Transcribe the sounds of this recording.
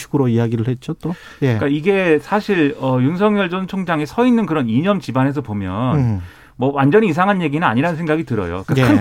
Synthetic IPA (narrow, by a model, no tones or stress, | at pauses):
ɕʰiɡɯɾoijaɡiɾɯɭhet̚t͡ɕ͈ot͈o | jek͈aiɡe̞sʰaɕʰiɾʌjuns̬ʰʌŋjʌɭd͡ʑont͡ɕʰoŋd͡ʑaŋesʰʌinːɯnkɯɾʌniɲʌmt͡ɕibanɦes̬ʰʌpomjʌnn | mʌwand͡ʑʌɲiːs̬ʰaŋɦanje̞ɡinɯna̰ɲiɾanɯnsʰe̞ŋɡaɡitɯɾʌ̰jo̰k͈ae